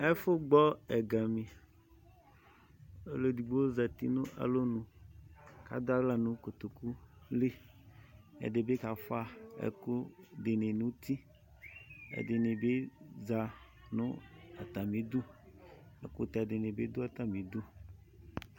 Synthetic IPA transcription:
e˦fo˦ɡ͡bɔ˦ɛ˨ɡa˨mĩ˨ | e˦lo˦di˨ɡ͡bo˦wo˦za˨t̪ḭ˦nũ˦ʔa̰˨lo˦nũ˨ | ka̰˨d̪o˦a˦ɡla˦˨nũ˦ko˨t̪o˨ku˦le˦ | ḛ˨ɖe˨be˦ka˨fa˦ḛ˨ku˦de˨ne˨nũ˦t̪i˦ | ḛ˨de˨nẽ˨be˦za˨ | nũ˦a˨t̪a˨mĩ˨d̪u˦ | ḛ˨kṵ˦t̪a˨de˨nẽ˨be˦d̪o˦a˨t̪a˨mĩ˨d̪u˦

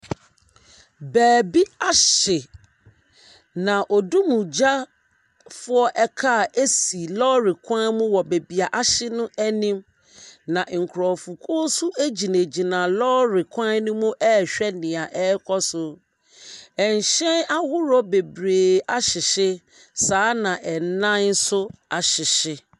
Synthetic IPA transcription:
bɛː˨bi˦a˦ɕɪ˨ | nã˨ʔɔ˨du˦mũ˨d͡ʑa˦ | fʊ˦ɔ˦ʔɛ˦kʰa˦˨e˦si˨lɔ˦ɾɪ˨kʷʰã˦mũ˦wɔ˨be˨bi˨a˨ʔa˦ɕɪ˦nʊ̃˦ɛ˦nĩ˦m | nã˨ŋ̩˨kʰʊ˨ɾɔ˨fu˨kʰuː˦su˦ʔe˦d͡ʑi˨nẽ˨d͡ʑi˨nã˨lɔ˦ɾɪ˨kʷʰã˦nʊ̃˦mũ˦ʔɛ˦˨ɕᶣɛ˦nɪ̃˨a˨ʔɛ˦kʰɔ˦sʊ˨ | ɛ˨ɲ˨ɕɛ̃˦na˦hʊ˦ɾɔ˦be˨bɾeː˨a˦ɕɪ˨ɕɪ˦ | saː˨˦nã˨ʔɛ˨n˦nã˦n˦sʊ˦a˨ɕɪ˨ɕɪ˦

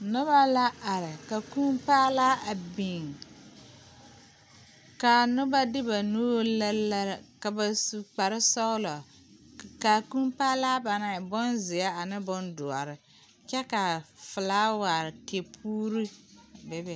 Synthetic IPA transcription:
nʊ˦ba˦la˦ʔa˨ɾɪ˨ka˨ku˦mpaː˦laː˦a˨bi˨ŋ | ka˨nʊ˦ba˦dɪ˦ba˨nu˦la˦la˦ɾka˨ba˨su˨k͡pa˨ɾɪ˦sɔ˦ʊ˦lɔ˨ | ka˨kũ˦mpaː˦laː˦ba˨na˨ɪ˨bɔ˦nzɪ˨a˦a˨nɪ˦bɔ˦ndʊ˨a̰˨ɾɪ˨ | kɛ˦ka˨fɪ˨laː˦wa˨ɾɪ˨ke˨pʰuː˦ɾi˦bɛ˨bɛ˨

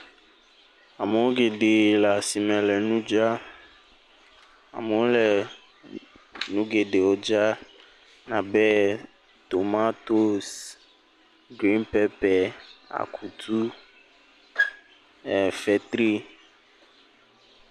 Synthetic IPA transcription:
a˨me˨wo˦ɡe˨ɖe˨la˨si˨mɛ̃˨lɛ˨nũ˦d͡ʒa˦ | a̰˨me˨wo˦lɛ˨ | nũ˦ɡe˨ɖe˨wo˦d͡ʒa˦ | nã˨bɛ˦ | t̪o˨ma˦t̪o˦s | ɡɾi˦npɛ˦pɛ˨a̰˨kʰu˨t̪ʰu˦ | ɛ˨fɛ˨t̪ɾi˦

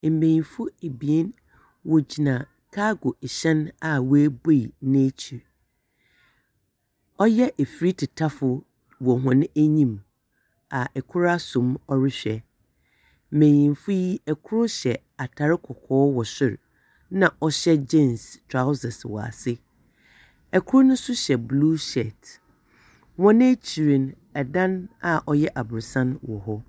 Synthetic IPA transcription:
m̩˨mẽ˨jĩ˨nfʊ˦e˨bi˨ɛ˦n | wɔ˨d͡ʑi˨nã˨ | kʰa˦ɡʊ˨ɕɛ̃˦na˨wæ˦bo˦i˨nã˦t͡ɕʰi˨ɾ | ɔ˦jɛ˦ʔe˨fi˨ɾi˦tʰɪ˨tʰa˦fʊ˨ | wɔ˨ɦʊ̃˨n˦æ˦ɲĩ˦m | a˨ʔɛ˨kʰʊ˦ɾa˦sʊ̃˨mɔ˦ɾɪ˦ɕᶣɛ˨ | mẽ˨ɲĩ˨nfʊ˦ji˦ɛ˨kʰʊ˦ɾʊ˦ɕɛ˨ | a˨tʰa˨ɾɪ˦kʰɔ˨kʰɔː˦wɔ˨ɕᶣɪ˦˨ɾ | nã˨ʔɔ˦ɕɛ˦d͡ʑɛ̃˦˨nstʰɾa˦ʊ˦sɛ˨swɔ̰˨a̰˨sɪ˦ | ɛ˨kʰʊ˦ɾʊ˦nʊ̃˦sʊ˦ɕɛ˨blu˦ʃɛ˨t | wɔ̃˦ñ˦æ˦t͡ɕʰi˨ɾĩ˨n | ɛ˨dã˦na˨ʔɔ˨jɛ˦ʔa˨bʊ˨ɾsã˦nwɔ˨ɦɔ˦

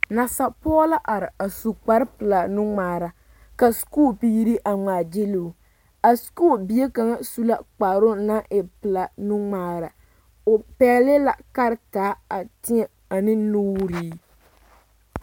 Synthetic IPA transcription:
na˨sa˨pɔ˦la˦ʔa˨ɾɪ˨a˨su˨k͡pa˦ɾɪ˦pɨ˨la˨nu˦ŋ͡maː˨ɾa˨ | ka˨skuː˦˨pi˦ɾi˦ʔa˨ŋaː˨d͡ʒɪ˦lu˨ | a˨skuː˦˨bi˨e˦ka˨ŋa˦su˦la˦k͡pa˨ɾʊ˦na˦ʔɪ˨pɨ˨la˨nu˦ŋ͡maː˨ɾa˨ | ʊ˨pɛ˦lɪ˦la̰˨ka˦ɾɪ˦taː˨˦a˨tɪ˦ɛ˨ | a˨nɪ˦nuː˦ɾiː˦

